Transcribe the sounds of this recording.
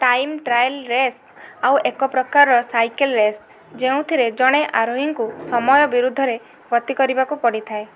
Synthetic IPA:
ʈajmʈɾajlɾes | awʔekɔpɾɔkaɾɾɔsajkelɾes | d͡ʒeũt̪ʰiɾed͡ʒɔɽ̃eʔaɾoɦiŋkusɔmɔjɔbiɾud̪ʱːɔɾe | ɡɔt̪ikɔɾibakupɔɽit̪ʰae

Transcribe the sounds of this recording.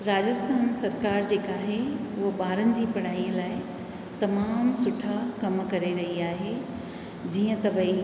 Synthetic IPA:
ɾaːd͡ʑəst̪ʰaːnsɐɾkaːɾd͡ʑeːkaːɦeʊɦəɓaːɾənɪ̆d͡ʑiːpɐɽ̤aːiːəlaːɪ | t̪ɐmaːmsʊʈʰakɐmkɐɾeɾɐɦiaːɦe | d͡ʑiːə̃t̪ɐbəi

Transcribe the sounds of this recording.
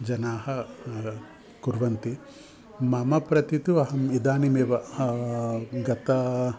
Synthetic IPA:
d͡ʒɐnaːhɐ | kuɾʋɐnt̪i | mɐmɐpɾɐt̪it̪uɐɦɐmid̪aːnimeːʋɐ | ɡɐt̪ɐ

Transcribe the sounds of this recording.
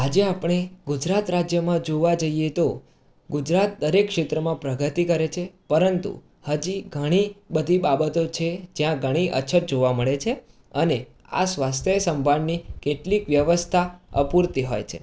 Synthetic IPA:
ad͡ʒeapɽ̃eɡud͡ʒɾat̪ɾad͡ʒjəmãd͡ʒoʋad͡ʒəijet̪o | ɡud͡ʒɾat̪̚d̪əɾekːʃet̪ɾəmãpɾəɡʱət̪ikəɾet͡ʃʰepəɾənt̪ṵ | həd͡ʒiɡʱəɽ̃ibəd̪ʱibabət̪ot͡ʃʰed͡ʒjãɡʱəɽ̃iʔə̰t͡ʃʰət̪̚d͡ʒoʋaməɭet͡ʃʰe | əne | a̰sʋast̪ʰjəsəmbʱannikeʈlikʋjəʋəst̪ʰaə̰puɾt̪iɦo̰jt͡ʃʰḛ

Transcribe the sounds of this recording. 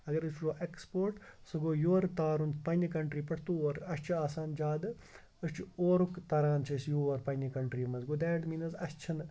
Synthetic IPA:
ɐɡɐɾɨsʈoːʔekspoːɾʈsɨɡoːjoːɾt̪aːɾunt͡spɐnʲikɐɳʈɾiːpɐʈʰt̪uɾɐst͡ʃʰiaːsaːnd͡ʒaːd̪ɨ | əst͡ʃʰioːɾukt̪ɐɾaːnt͡ʃʰɐsjoːɐɾpɐnʲɐkɐɳʈɾiːmɐzɡod̪ɛːɖmiːnɐzɐst͡ʃʰɐn

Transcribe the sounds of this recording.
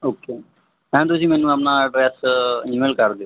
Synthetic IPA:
oːke | ɦɛ̃t̪osiːmɛ̃ːnũːapnaɖɾɛːsimeːlkəɾd̪jo

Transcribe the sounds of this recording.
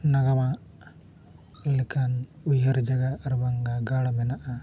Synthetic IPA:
nɐɡamaʔ | likʰanujɦɐɾd͡ʒɐɡaːɾbaŋɡaɡaɽamɛnaʔa

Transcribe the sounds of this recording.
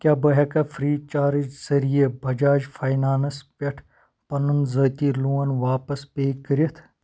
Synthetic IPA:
kʲjaːbɐɦɐkɐfɾiːt͡ʃaːɾid͡ʒsɐɾijebʱɐd͡ʒaːd͡ʒfaːjnaːnɐspɐʈʰ | pɐnunzɐːt̪iːluːɐnʋaːpɐspeːkːəɾet̪ʰ

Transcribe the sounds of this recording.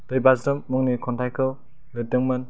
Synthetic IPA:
d̥ɯjbazɾɯmːɯŋnikʰɔntajkʰɯl | lɯdɯŋman

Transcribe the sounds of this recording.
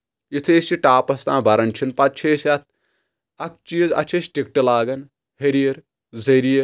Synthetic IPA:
it̪ʰeːsiʈaːpɐst̪ãːbɐɾɐnt͡ʃʰinpɐt̪̚t͡ʃʰeːsɐt̪̚ʰ | ɐk̚t͡ʃizɐ̰t͡ʃʰesʈik̚ʈɨlaːɡɐn | heɾijɐɾ | zɐɾijɐ

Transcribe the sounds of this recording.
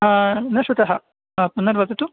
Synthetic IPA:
nɐʃʋɐt̪ɐɦɐ | ɐpunːɐɾʋɐt̪ɐt̪u

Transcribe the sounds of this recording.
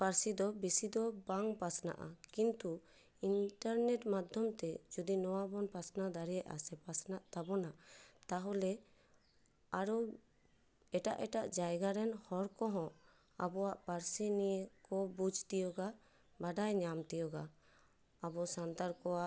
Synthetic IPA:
paɾsid̪ɔbisid̪ɔbaŋpasna̰ʔa̰kint̪u | inʈaɾnɛʈmad̪ʱjɔmt̪ɛd͡ʒud̪inɔwabɔnpasnad̪aɾɛjɛʔa̰sɛpasnaʔt̪abɔnat̪aɦɔlɛ | aɾɔ | ɛʈaʔɛʈaʔd͡ʒajɡaɾɛnhɔɾkɔɦɔ̃ | abɔwaʔpaɾsinijkɔbud͡ʒʱt̪ijɔɡa | baɖajɲamt̪ijɔɡa | abɔsant̪aɾkɔwaʔ

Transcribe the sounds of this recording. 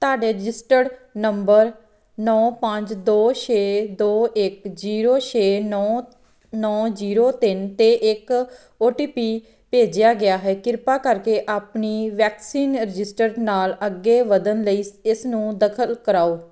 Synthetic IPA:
t̪oaːɖeːɾɪd͡ʒɪsʈəɽnəmbəɾ | nɔːpəɲd͡ʒd̪oːt͡ʃʰeːd̪oːʔɪkd͡ʒiːɾoːt͡ʃʰeːnɔː | nɔːd͡ʒiːɾoːt̪ɪnt̪eːʔɪk | oːʈiːpiː | peːd͡ʒjaːɡɪjaːɦɛːkɪɾpaːkəɾkeːʔaːpniːʋɛːksiːnɾɪd͡ʒɪsʈəɾɖnaːləɡːeːʋəd̪ənləiːɪsnũːd̪əkʰəlkəɾaːoː

